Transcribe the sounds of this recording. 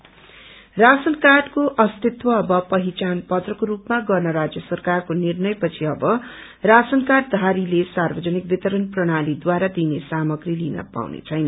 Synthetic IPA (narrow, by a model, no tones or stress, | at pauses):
rasʌnkaɖkoʔʌst̪it̪wʌːbʌpʌɦit͡sanpʌt̪rʌkoɾupmaɡʌrnʌɾad͡zjʌsʌrkarkonirnʌjpʌt͡sʰiʌbʌ | rasʌnkaɖ̚d̪ʱaɾilesarbʌd͡zʌnik̚bit̪ʌɾʌnprʌɽ̃alid̪waɾad̪inesamʌɡrilinʌ̰pa̰wnḛt͡sʰʌjnʌn